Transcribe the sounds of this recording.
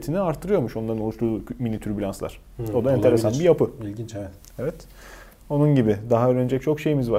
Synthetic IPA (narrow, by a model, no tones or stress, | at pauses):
t̪ʰiniaɾt̪ʰːɯɾɯjo̞ɾmuʃo̞nˠaɾɯno̞lˠuʃt̪ʰuːminit̪ʰyɾbilʲanslˠa̰ɾ̥ | o̞d̪aɛnʰe̞ɾesanbijapɯilint͡ʃ̪ | evɛt̪ | o̞nunɟibɪd̪aɦaøɾønd͡ʒɛc̚t͡ʃʰo̞kʃe̞jimizva